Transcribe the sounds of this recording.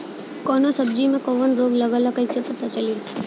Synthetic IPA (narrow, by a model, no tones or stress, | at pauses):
kɔnosəbd͡ʒimẽkoʋənɾoːɡləɡalakəisepət̪at͡ʃali